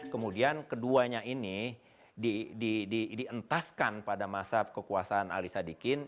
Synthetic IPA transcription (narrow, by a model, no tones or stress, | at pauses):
kəmudiankəduaɲaini | didididiənt̪askanpadamasakəkuasaːna̰lisadikɪn